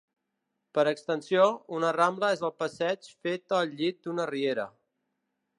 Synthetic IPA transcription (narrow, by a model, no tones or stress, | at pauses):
pəɾəkst̪ənsijounərambləezəlˠpəsɛt͡ʃfet̪əlʎːit̪̚d̪unərieɾə̰